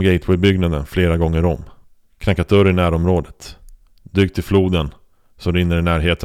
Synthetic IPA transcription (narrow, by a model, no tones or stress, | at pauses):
ɡɛɪt̪ʰwɛjbʏɡnad̪ə̰nfleːɾaɡɔŋːəɾɔmː | kʰnakːat̪ʰɵɾɪnæːɾɔmɾoːd̪ət̪ | d̪yːk̚t̪ʰːɪlfluːd̪ən | sɔɾɪnːəɾɪnæːɾɦeːt̪ə